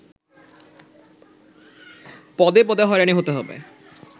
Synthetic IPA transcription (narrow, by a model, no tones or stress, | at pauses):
pɔd̪epɔd̪aɦɔeɾaniɦot̪eɦɔbḛ